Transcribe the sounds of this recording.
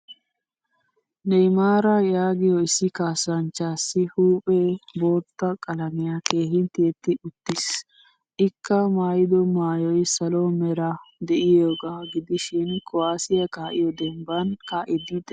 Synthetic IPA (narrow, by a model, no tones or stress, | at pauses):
nɛjmaːɾɐjaːɡɪjɔɪsːɪkaːsɐnt͡ʃːaːsːɪhuːpʼɛbo̞ːt̪ːɐkʼɐlɐmɪjake̞ːhɪnt̪iːt̪ːɪʔʊt̪ːɪs | ʔɪkːɐmaːjɪd̪ɔmaːjɔjsɐlɔmɛɾɐd̪ɛʔɪjoːɡaːɡɪd̪ɪʃɪnkʰɔaːsɪjɐkaːʔɪjɔd̪ɛmbɐnkaːʔɪd̪ɪd̪ɛ